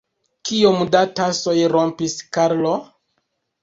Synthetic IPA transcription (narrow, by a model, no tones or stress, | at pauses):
kiomdatasojɾompiskaɾlo